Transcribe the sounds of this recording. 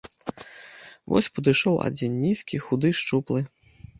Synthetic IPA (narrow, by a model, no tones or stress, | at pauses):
vɔ̰sʲpɐd̪ɨʂɔwa̰d͡zʲinnʲiskʲixud̪ɨʂt͡ʂuplˠɨ